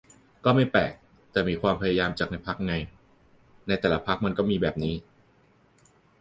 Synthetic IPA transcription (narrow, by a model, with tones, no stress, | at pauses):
kɔː˥˩ma˥˩jpɛ̰ː˨˩k̚ | t̪ɛː˨˩miː˧kʰwaː˧mpʰa˧ja˧jaː˧mt͡ɕaː˨˩k̚na˧jpʰa˦˥k̚ŋa˧j | na˧jt̪ɛː˨˩la˦pʰa˦˥k̚ma˧nkɔː˥˩miː˧bɛː˨˩p̚niː˦˥